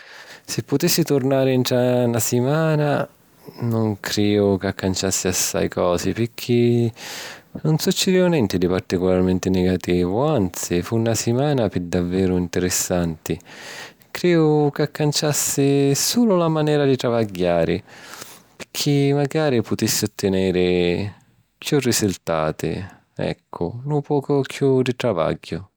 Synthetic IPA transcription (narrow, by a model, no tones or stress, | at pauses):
sɪpːʊt̪isːit̪ʊrnaːɾɪnʈ̪ɾanasɪmaːna | nʊŋkʰɾɛːʊkakːant͡ʃasːɪasːa̰jkʰɔːzɪpɪkʰːi | nʊnsut͡ʃːɪd̪iːʊnjɛnt̪ɪd̪ipart̪ikʊlarmɛnt̪ɪnɛɡat̪iːvʊant̪sifunːasɪmaːnapɪd̪avːɛːɾʊint̪ɪɾɪsːant̪ɪ | kɾɛːʊkakːant͡ʃasːɪsuːlʊlamanɛːɾad̪it̪ɾavaɟːaːɾɪ | pɪkʰimaɡaːɾipʊt̪isːɪot̪ʰːɪnɛːɾɪ | kjurːisult̪a̰ːt̪ɪ̰ | ɛ̰kʰːʊ̰lupɔːkʊkʰjud̪it̪ɾava̰ɟːʊ